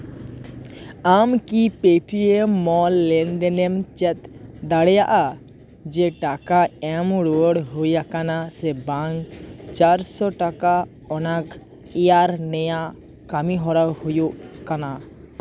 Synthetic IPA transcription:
amkipeʈiemɔlːɛnd̪ɛnɛmt͡ʃɛt̪d̪aɽɛjaʔa | d͡ʒɛʈakaɛmɽoəɽɦojakanasɛbaŋɡt͡ʃaɾsɔʈaka | ɔnak | ɛjaɾnɛja | kamiɦɔɾawhojoʔkana

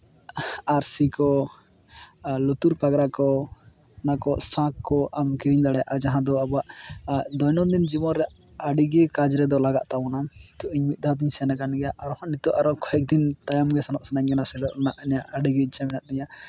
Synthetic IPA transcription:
aɾsikɔ | lut̪uɾpaɡɾakɔ | nakɔʔsãkːɔʔamkiɾiɲd̪aɽɛja̰ʔad͡ʒaɦãd̪ɔabaʔd̪ɔjnɔd̪ind͡ʒimɔɾɾɛʔ | aɖiɡɛkad͡ʒɾɛd̪ɔlaɡa̰ʔt̪awɔnat̪ɔʔiɲmit̪̚ˀd̪ʱad̪iɲsanakanɡɛjaʔaɾɔhɔnit̪ɔʔaɾɔkɔhɛk̚d̪int̪ajamɡɛsanɔʔsanaɲɡɛnasɛɖɔʔnaʔɲaʔaɖiɡɛt͡ʃamɛnaʔ̪̚d̪ɛɲa

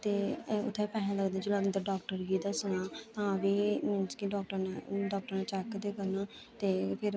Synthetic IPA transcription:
t̪eːʊ̰t̪ʰːẽpɛːɦaləɡd̪ẽːd͡ʒolaɡnd̪əɾɖɔːk̚ʈəɾɡiːd̪aːsʊnaːt̪ãːəbiːmɪnt͡ʃkiɖɔːkʈəɾnaɖɔːk̚ʈəɾnãːt͡ʃɛkd̪eːkəɾnaː | t̪eːpʰɪɾ

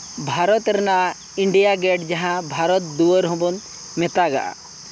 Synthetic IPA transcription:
bʱaɾɔt̪ɾɛnaʔ | iɳɖijaɡɛʈd͡ʒaɦãbʱaɾɔt̪̚d̪uəɾɦɔ̃bɔn | mɛt̪aɡa̰ʔa̰

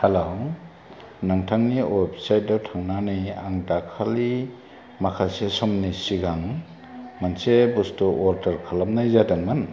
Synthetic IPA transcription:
halow | naŋtʰaŋniobsajt̚dawtʰaŋnanijaŋdakʰali | makʰasesɔmnisiɡaŋ | mansebustuʔɔɾdaɾkʰalam̚najzadanman

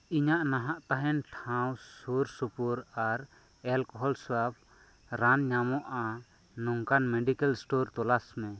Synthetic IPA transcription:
iɲaʔnaɦaʔt̪aɦɛnʈʰãwsuɾsupuɾaɾ | ɛlkɔɦɔlswap̚ʰ | ɾanɲamɔʔa | nɔŋkanmɛɖikalsʈɔɾt̪ɔlasmɛ̃

